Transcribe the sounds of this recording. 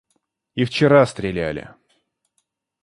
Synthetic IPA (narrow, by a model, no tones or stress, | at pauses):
ift͡ɕɪɾast̪ɾʲɪlʲælʲɪ̰